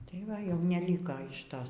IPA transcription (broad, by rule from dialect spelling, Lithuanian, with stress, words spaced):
tɐɪ ˈʋɐ jɛʊ nʲɛˈlʲiːkɐ ɪʃ ˈtoːs